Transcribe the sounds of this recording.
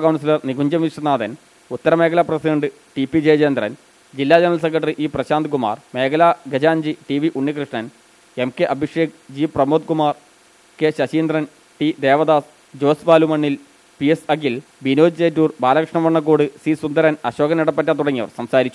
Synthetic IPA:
kɐwnsilɐrniɡuɲd͡ʑɐmʋiʂɐnaːd̪ɐn | ut̪ːɐɾɐmeːkʰɐlɐprɐsiɖɐɳɖɨ | ʈipːid͡ʑeːd͡ʑeːnd̪rɐn | d͡ʑilːaːd͡ʑenɐɾɐls̬ek̬ːɐʈ̬ːɐriʔiːprɐɕaːnd̪ɨkuma̰ːrme̞ːkʰɐlaɡʱɐd͡ʑaːɲd͡ʑiʈiʋiʔuɳːikrɨʂɳɐn | emke̞ʔɐbʱiʂeːk̚d͡ʑiːprɐmoːd̪̚kumaːr | keɕɐɕiːnd̪rɐn | ʈid̪e̞ːʋɐd̪aːs | d͡ʑo̞ːsʋaːlumɐɳːil | piesɐɡil | binoːd͡ʑd͡ʑeːtːuːrbaːlɐkrɐʂɳɐmʋɐɳːɐk̬ːoːɽɨsisund̪ɐɾɐnɐɕo̞ːɡɐniɽɐp̬ːɐtːat̪uɽɐŋːiʋɐ̰rsɐmsaːɾit͡ɕːu

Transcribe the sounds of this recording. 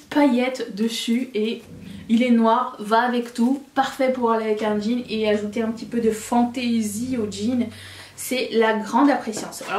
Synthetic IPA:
pajɛt̪d̪əsyeilɛnwaʁvaːvɛkt̪upaʁfɛpuʁaleavɛkɛ̃ʒineaʒut̪eɛ̃pət̪ipød̪əfɑ̃t̪eziod͡ʒin | sɛlaɡʁɑ̃d̪apχesjɑ̃saɔ

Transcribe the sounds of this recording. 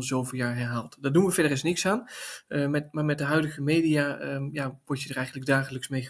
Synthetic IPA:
nz̥owvəlˠjaːɹɦɛɹɦaːlˠtdɑdunʋəvɛdərɪsnɪksaːnmɛmaːɹmɛt̚dəɦœɥdəɣəmeːdijajaʋɔɹtjədərɛjχəndləɡ̚daːɣələksmejə

